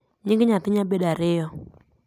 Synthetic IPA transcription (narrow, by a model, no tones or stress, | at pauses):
ɲɪŋɡɪɲat̪ɪɲabedaɾɪjɔ